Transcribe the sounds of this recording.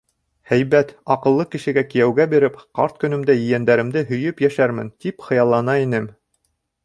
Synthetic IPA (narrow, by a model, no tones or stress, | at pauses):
hæjβæt̪ɑqɤ̆lˠːɤkɘ̆ʃɘ̆ɡækɘ̆jæwɡæbiɾɘpqɑɾt̪̚kɵ̆nɵ̆md̪æjɘ̆jænd̪æɾɘ̆md̪ɘɦɵ̆jɵpjæʃæɾmɘ̰nt̪ipχɤ̆jɑlˠːɑnɑinɘm